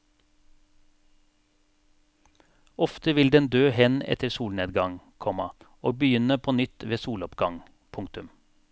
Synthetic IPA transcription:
ɔft̪əʋɪld̪ɛnd̪øːhɛnɛ̰t̪ʰəɾsuːlneːd̪ɡɑŋ | kʰɔmɑ | oːɡ̚bəjʏnəpʰoːnʏt̪ʋeːsuːlɔpɡɑŋ | pʰʊŋt̪ʉm

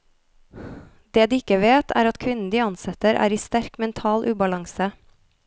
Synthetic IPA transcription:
d̪̥eːd̪iːɪkəʋeːt̪ʰæ̰ːɾɑt̪kʰʋɪnn̩d̪iːɑnsɛt̪əɾʔæ̰ːɾiːst̪æɾkmɛnt̪ʰɑːlʔʉːbɑlɑŋsə

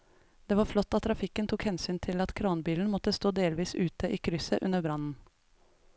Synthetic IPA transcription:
d̪̥eːʋɑɾflɔt̪ːɑt̪ːʰɾɑfɪkːənt̪ʰʊkhɛnsyːnt̪ʰɪlɑt̪kʰɾɑːnbiːln̩mɔt̪ːəst̪oːd̪eːlʋiːsʉːt̪ʰəʔiːkʰɾʏsəʔʉnəbɾɑnn̩

